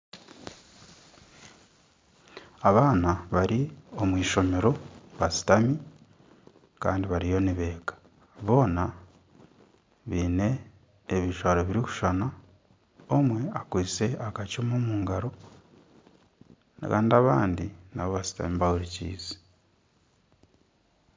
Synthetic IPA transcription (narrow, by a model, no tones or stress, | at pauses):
aβaːnaβaɾio̞mwiːʃo̞me̞ɾo̞βasi̥tami | kaːndiβaɾijo̞niβe̞ːɡḁ | βo̞ːna | βiːne̞ː | βiʃwaːɾoβiɾiku̥ʃana | omwe̞akwiːt͡se̞akat͡ʃomomuːŋɡaɾo̞ | nka̰ːndiaβaːndinaβo̞βasi̥ta̰miβawuɾicḭːze̥